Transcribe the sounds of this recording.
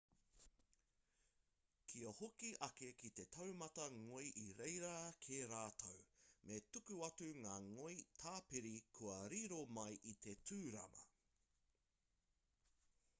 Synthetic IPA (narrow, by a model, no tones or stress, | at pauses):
kʰiɐhokiʔɐkekit̪e̞tʰɐwmɐtɐŋoijʔiɾejɾɐkʰeːɾaːtʰɐwmʔetukʉɐtuŋaːŋojtʰaːpiɾikʰuɐɾiɾomɐjʔit̪etʰʉːɾɐ̰mɐ̰